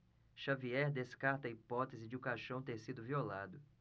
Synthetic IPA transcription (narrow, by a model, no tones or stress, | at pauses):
ʃaviɛɾd̪eskaɾt̪ɐipɔt̪ezɪd͡ʒɪũkaʃɐ̃w̃t̪eɾsid̪ʊviolad̪ʊ